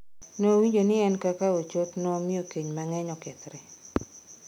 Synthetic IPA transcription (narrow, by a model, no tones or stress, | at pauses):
nowiɲd͡ʒonɪɛnkakaot͡ʃotnɔmɪokeɲmaŋɛɲɔkɛt̪ɾɛ